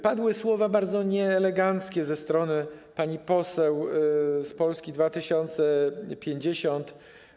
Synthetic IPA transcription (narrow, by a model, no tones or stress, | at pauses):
pad̪wɘswɔvabaɾd̪zɔɲɛːlɛɡant̪skʲɛzɛst̪ɾɔnɘpaɲipɔsɛwspɔlskʲid̪vat̪ɘɕɔnt̪sɛpʲjeɲd͡ʑeɕɔnt̪